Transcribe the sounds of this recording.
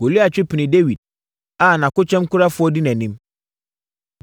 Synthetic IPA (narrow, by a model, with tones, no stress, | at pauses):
wo˨li˦a˨t͡ɕᶣɪ˦pʰɪ˨nɪ̃˨de˦wi˨d̚ | a˨nã˨kʊ˦t͡ɕᶣɛ̃˦mkʊ˦ɾa˦fʊ˦ɔ˦dɪ˦nɛ̃˨nĩ˦m